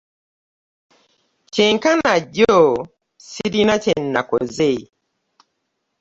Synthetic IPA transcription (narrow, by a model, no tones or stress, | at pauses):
t͡ʃeŋkanaɟɔ | siɾinat͡ʃɛnːa̰kɔ̰ze